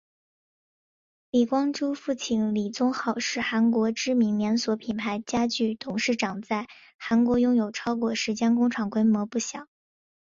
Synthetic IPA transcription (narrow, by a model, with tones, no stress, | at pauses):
li˨˩kwɑ˥ŋʈ͡ʂu˥fu˥˩t͡ɕʰi˧˩nli˨˩t͡sʊ˥ŋxɑ˥˧ʊʂɻ̩˥˩xa˧˥nkwɔ˧˥ʈ͡ʂɻ̩˥mi˧˥ŋljɛ˧˥nswɔ˧˥pʰi˨˩npʰa˧˥ɪt͡ɕja˥t͡ɕy˥˩t̪ʰʊ˨˩ŋʂɻ̩˥˩ʈ͡ʂɑ˨˩ŋt͡sa˥˩ɪ | xa˧˥nkwɔ˧˥jʊ˥ŋjo˨˩ʊʈ͡ʂʰɑ˥ʊkwɔ˥˩ʂɻ̩˧˥t͡ɕjɛ˥nkʊ˥ŋʈ͡ʂʰɑ˨˩ŋkwe˥ɪmwɔ˧˥pu˥˩ɕjɑ˨˩˦